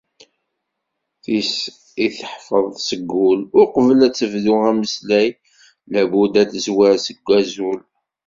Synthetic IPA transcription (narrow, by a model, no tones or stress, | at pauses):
θis | iθəħfəðˤsəɡːʊlʊɾqəvəlæt͡sːəvðuʁæməslæj | læbud̪æθəzwæɾsəɡʷːæzul